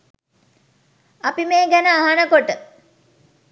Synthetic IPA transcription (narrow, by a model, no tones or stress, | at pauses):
apimeːɡænəaɦanəkoʈə